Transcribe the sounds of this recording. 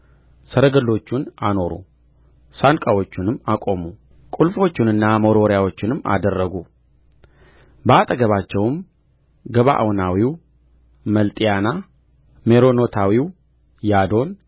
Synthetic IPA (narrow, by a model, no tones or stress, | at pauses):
səɾəɡəlːo̞t͡ʃːunano̞ɾṵ | sankʼawo̞t͡ʃːunɨmakʼo̞mu | kʼulfo̞t͡ʃːɪnɨnːamoɾo̞ɾjawo̞t͡ʃːɪnɨmːa̰d̪ərːəɡu | bəat̪ʼəɡəβat͡ʃːɛwm | ɡəβa̰ʔa̰wnawiw | məlt̪ʼijana | me̞ɾo̞no̞t̪ʰawiw | jad̪o̞n